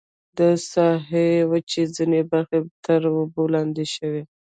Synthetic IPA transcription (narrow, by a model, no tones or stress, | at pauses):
d̪əsɑɦewət͡ʃezinebaɾxet̪əɾwobəwlɑnd̪eʃəwe